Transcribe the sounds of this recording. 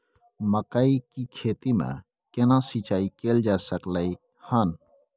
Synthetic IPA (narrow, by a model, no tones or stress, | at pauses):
məkaikikʰeːt̪imḛ̃ | kenãsit͡ʃaːikeːld͡ʒaːsəklai | hən